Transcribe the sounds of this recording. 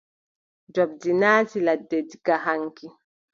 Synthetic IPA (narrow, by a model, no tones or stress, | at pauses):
d͡ʒɔb̚d͡ʒinaːtiladːediɡaɦaŋki